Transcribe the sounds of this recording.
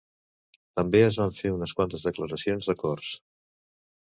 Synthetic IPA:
t̪əmbeəzβaɱfeunəskwant̪əzðəkləɾəsionzðəkɔrs

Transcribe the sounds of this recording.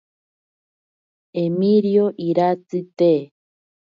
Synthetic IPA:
emiɾjoʔiɾat͡sɨt̪e

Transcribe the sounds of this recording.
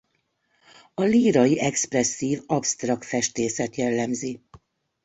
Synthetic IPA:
ɒliːɾɒjiʔɛksprɛsːiːvɒpst̪rɒkt̪fɛʃt̪eːsɛt̪jɛlːɛmzi

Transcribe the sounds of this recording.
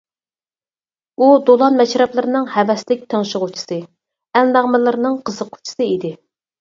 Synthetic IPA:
ud̪olˠɑnmɛʃɾɛplˠɨɾɨnɨŋhɛvɛslɪk̚ʲt̪ʰəŋʃɪʁʊt͡ʃʰi̥sɨ | ɛlnɑʁmɨlˠɨɾɨnɨŋqʰəzəqʰːʊ̥t͡ʃʰi̥sɨid̪ɪ

